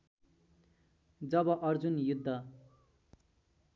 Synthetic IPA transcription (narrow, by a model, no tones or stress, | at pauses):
d͡zʌbʌʔʌrd͡zunjud̪ʱːʌ